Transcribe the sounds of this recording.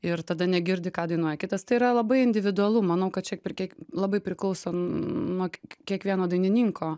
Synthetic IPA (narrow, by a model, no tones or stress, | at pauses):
ɪrt̪ɐd̪ɐnʲɛɡʲɪɾʲd̪ʲɪkɑːd̪ɐɪnuɔjɛkʲɪt̪ɐst̪ɐɪiɾɐlˠɐbɐɪɪnʲd̪ʲɪʋʲɪd̪ʊɐlˠuːmɐnɐʊkɐt̚t͡ʃʲɛpʲɛkʲiɛlˠɐbɐɪpʲɾʲɪklˠɐʊsoːnuɔkʲiɛkʋʲiɛnoːd̪ɐɪnʲɪnʲiŋkʰoː